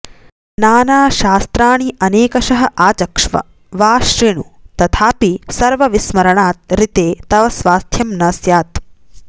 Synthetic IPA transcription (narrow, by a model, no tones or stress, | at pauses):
naːnaːʃaːst̪ɾaːɳiʔɐneːkɐʃɐɦɐʔaːt͡ʃɐkʂʋɐ̰ | ʋaːʃɾiɳṵt̪ɐt̪ʰaːpisɐɾʋɐʋismɐɾɐɳaːt̪̚ɾit̪eːt̪ɐʋɐsʋaːst̪ʰjɐmnɐsjaːt̪̚